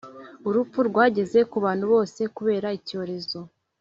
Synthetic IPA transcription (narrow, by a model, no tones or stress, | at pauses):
uɾupuɾɡwaːɟe̞ze̞kuβaːn̥huβo̞ːse̞kuβe̞ːɾaico̞ːɾe̞zo̞